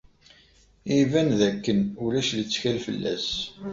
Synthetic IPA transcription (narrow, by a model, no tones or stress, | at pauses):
ivænðækːənulæʃlət͡sːçælfəlːæ̰s